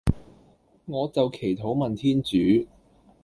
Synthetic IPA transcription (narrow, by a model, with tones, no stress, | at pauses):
ŋɔː˨˧t͡sɐ˨wkʰe˨˩jt̪ʰo˨˥wmɐ˨nt̪ʰiː˥nt͡ʃyː˨˥